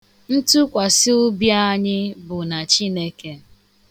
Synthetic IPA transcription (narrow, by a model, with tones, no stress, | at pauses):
n̩˦tu˦kʷa˨sɪ˦ʊ˦bja˦a˦ɲɪ˦bʊ˨na˨t͡ʃi˦ne˦ke˨